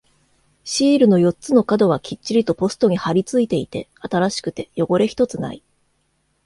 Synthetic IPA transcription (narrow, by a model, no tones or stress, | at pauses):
ɕiːɾɯ̟no̞jo̞t͡sɨno̞kad̪o̞βakʲit͡ɕt͡ɕːiɾʲit̪o̞po̞sɨ̥t̪o̞ɲ̟ihaɾʲit͡sɨit̪e̞it̪e̞at̪aɾaɕi̥kɯ̟̥t̪e̞jo̞ɡo̞ɾe̞çʲi̥t̪o̞t͡sɨna̰i